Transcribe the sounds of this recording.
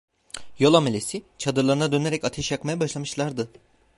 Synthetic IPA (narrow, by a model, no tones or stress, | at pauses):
jo̞lˠamelʲesit͡ʃʰad̪ɯɾlˠaɾɯnad̪ø̞ne̞ɾɛcat̪ʰeʃjakmajabaʃlˠamɯʃlˠaɾd̪ɯ